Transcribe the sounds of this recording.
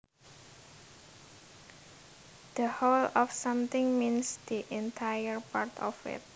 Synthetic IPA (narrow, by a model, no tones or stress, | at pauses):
d̪̥əholɔfsãmt̪ɪŋminsd̪̥iʔɛnt̪ʰajəɹpart̪ʰɔ̰fɪ̰t̪̚